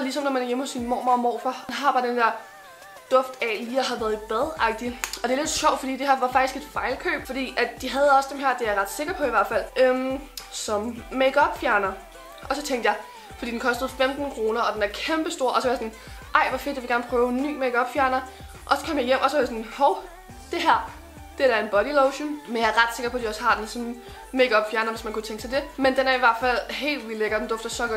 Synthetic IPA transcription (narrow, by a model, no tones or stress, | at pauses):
lis̬ɒ̽mnɒmænæɐjemhɔ̽sinmɒ̰ːmɑ̈ːmɒ̰ːfɒnɦɑ̈b̥ɑ̈d̥end̥eɐ | d̥ɔ̽fd̥ɛliːæɦɑʋæɐðˠib̥ɛð̞ˠɑ̈ɡ̥̚d̥iɒ̽d̥e̝æle̝d̥ɕɒʊd̥fɒ̽d̥ḭːd̥e̝ɦæɐʋɑ̈fɑ̈ɡ̥isɡ̥e̝d̥fɑ̈ɪlkʰø̰ːb̥fɒ̽d̥ḭːʔæd̥d̥iɦæð̞̩ˠɒ̽sd̥emɦeɐ̰d̥e̝jɑʁɑ̈d̥se̝ɡ̥ɐpʰɒ̽iʋæɐ̰d̥fæl̰ømsɒ̽mːeɡ̥ɒb̥fjæɐnɐ | ʔɒ̽sɒ̽t͡sʰeŋ̰d̥jɑɪ | fɒ̽d̥ḭd̥enkʰɒ̽sd̥əð̞̩ˠfemd̥n̩kʰʁo̝ːnɐɒ̽d̥enæɐkʰemb̥əsd̥o̝ɐ̰ʔɒ̽sɒʋɑjasɒn | ʔɑ̈ɪ̰ʋɑfe̝d̥jɑʋɡæɐnəpʰʁœːʊenːy̰ːmeɡ̥ɒ̽b̥fjæɐnɐ | ʔɒ̽sɒ̽kʰɒ̽m̰jɑ̈ɪjem̰ʔɒ̽sɒ̽ʋɑ̈jasɒ̽nhɒʊ | d̥e̝ɦæɐ̰ | d̥e̝ɐd̥æɐe̝nb̥ɒ̽ɾiloʊɕənmenjɑ̈æʁɑ̈d̥se̝ɡ̥ɐpʰɒ̽æd̥iɒ̽shɑ̈d̥ensɔ̽n | meɡ̥ɒ̽b̥fjæɐnɐʋe̝smænkʰut͡sʰeŋɡ̥sɑ̈ɪd̥e̝mend̥enæɐiʋæɐ̰d̥fæl̰ɦe̝̰ːld̥ʋileɡ̥ɐd̥end̥ɔ̽fd̥ɐsɒ̽ɡ̥